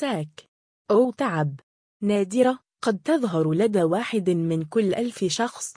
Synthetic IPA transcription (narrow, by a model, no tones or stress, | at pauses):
saːk | ʔʊt̪aʕab | naːd̪ɪɾa | qɑd̪̚t̪ɑðˤɦɑɾˤlad̪aːwaːħɪd̪mɪnkʊlːʔalfʃɑxsˤ